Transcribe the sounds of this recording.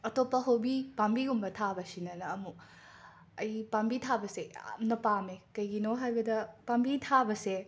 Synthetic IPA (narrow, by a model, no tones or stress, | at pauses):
ɐtopːɐɦowbipambiɡumbɐtʰabɐsinɐnɐːmu | ɐjpambitʰabɐsḛmnɐpamekɐjɡinoɦajbɐdɐpambitʰabɐse